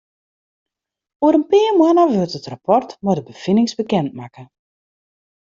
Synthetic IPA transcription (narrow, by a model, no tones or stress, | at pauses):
uəɾənpɪːərmwənəʋølˠtətrapɔrtmodəbəfinɪŋsbəkɛnt̚makə